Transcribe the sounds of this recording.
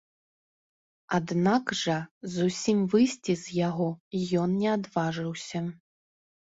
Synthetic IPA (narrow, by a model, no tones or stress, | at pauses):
ad̪naɡʐɐzusʲimvɨjsʲt͡sʲizʲjaɣɔijɔnnʲɛad̪vaʐɨwsʲɐ